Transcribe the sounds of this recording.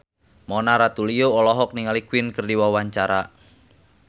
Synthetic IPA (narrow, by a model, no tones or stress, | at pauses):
mɔnaɾat̪ulioɔlɔɦɔk̚niŋalikwinkərdiwawaɲt͡ʃaɾa